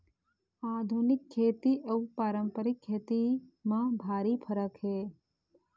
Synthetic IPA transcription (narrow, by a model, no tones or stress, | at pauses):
aːd̪ʱunɪkʰːeːt̪iʔɐupaːɾəmpəɾɪkʰːeːt̪imãbʱaːɾipʰəɾəkɦeː